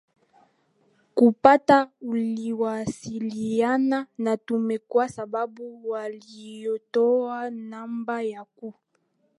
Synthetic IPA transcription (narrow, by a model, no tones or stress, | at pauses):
kupatauliwasilijananatumɛkwasababuwalijotowanambajaku